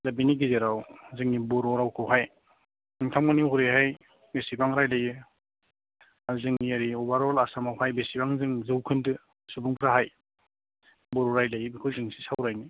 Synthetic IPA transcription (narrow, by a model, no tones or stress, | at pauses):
zabiniɡizeɾawzɯŋibɔɾɔɾawkʰɯwɦaj | ɯŋtʰamŋanihuɾehaj | besibaŋɾajlajɯ | azɯŋiaɾiobaɾɔlasamawhajbesibaŋzɯŋzɯwkʰɯndɯ | subuŋpʰɾaɦaj | bɔɾɔɾajlajbikʰɯwzɯŋsʰi̥sawɾajni